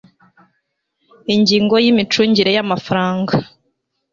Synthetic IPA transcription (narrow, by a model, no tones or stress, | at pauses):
iɲɟiːŋɡo̞jimit͡ʃuːɲɟiɾe̞jamafaɾaːŋɡa